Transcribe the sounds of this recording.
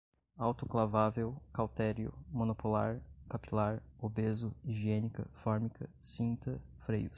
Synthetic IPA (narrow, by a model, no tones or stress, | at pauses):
awt̪ʊklavavewkawt̪ɛɾjʊ̰mõnopola̰ɾkapilaɾobezʊiʒienikɐ̰fɔɾmikʰɐ | sĩnt̪ɐfɾejʊs